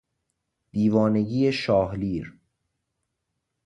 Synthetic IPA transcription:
d̪̥iːvɒːne̞ɟiːjeʃɒːhliːɾ

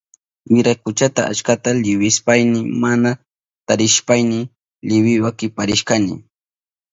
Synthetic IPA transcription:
mʊɾajkʊt͡ʃat̪aʔa̰t͡ʃkat̪alɪwɪspajnɪmana | t̪aɾɪʃpajnɪ | lɪwɪwakɪpaɾɪʃkanɪ̰

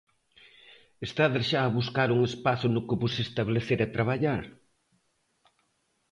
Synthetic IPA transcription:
est̪aðeɾʃaːβuskaɾuŋespaθʊnʊkɪβʊsest̪aβleθeɾat̪ɾaβaʎaɾ

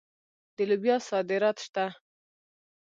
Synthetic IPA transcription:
d̪̥əlubjɑsɑd̪ɪɾɑt̪ʃt̪a

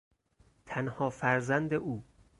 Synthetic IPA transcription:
t̪ʰænhɒːfæɾzænd̪eʔuː

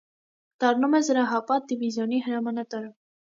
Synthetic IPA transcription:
d̪̥ɑɾnumɛzəɾɑɦɑpɑd̪ivizjɔnihəɾɑmɑnɑt̪ɑɾə

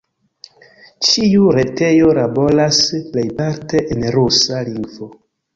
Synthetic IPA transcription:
t͡ʃiuɾe̞te̞jo̞ɾabo̞lasplejpaɾte̞ʔenɾusaliŋɡvo̞

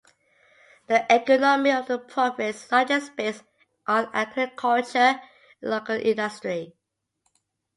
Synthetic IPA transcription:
dəʔɛkɔnɔmiɔvdəpʰɹɔfɛssad͡ʒəspes | ʔɔ̃næ̰ɡɹikʰalt͡ʃə | lokəlʔḭ̃ndəstɹi

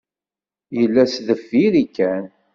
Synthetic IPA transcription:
jəlːæsðəfːiɾikːæn

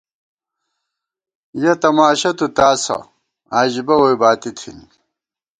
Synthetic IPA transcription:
jɐt̪ɐmaːɕɐt̪ut̪aːsɐ̰ | aːʑibɐwojbaːt̪it̪ʰḭni

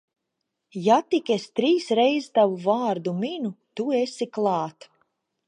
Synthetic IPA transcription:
jat̪ikʲest̪ɾiːsɾejzt̪avuvaːɾd̪uminut̪uesiklˠɑːt̪

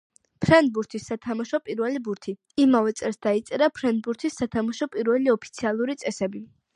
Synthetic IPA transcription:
pʰɾɛnd̪̚buɾt̪ʰisːat̪ʰamaʃɔpʼiɾvɛlibuɾt̪ʰi | imavɛt̪sʼɛlsd̪ait̪sʼɛɾapʰɾɛnd̪̚buɾt̪ʰisːat̪ʰamaʃɔpʼiɾvɛliɔpʰi̥t̪sʰialˠuɾit̪sʼɛsɛbi

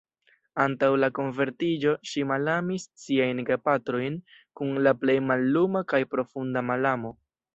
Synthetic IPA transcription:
antawlako̞nve̞ɾtid͡ʒo̞ʃimalamissiajnɡapatɾo̞jn | kunlaple̞jmalːumakajpɾo̞fundamalamo̞

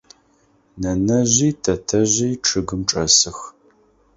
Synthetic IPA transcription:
nɐnɐʑiːtʰɐtʰɐʑiːʈ͡ʂʰɨɡɨmʈ͡ʂʼɐ̰sɨx

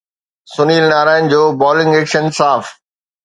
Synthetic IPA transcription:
sʊniːlnaːɾaːɪn̆d͡ʑoːbɔːlɪ̃ŋɡeːkʃənsaːf

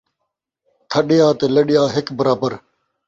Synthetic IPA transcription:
t̪ʰəɗɪjaːt̪eːləɗɪjaːɦɪkbəɾaːbəɾ

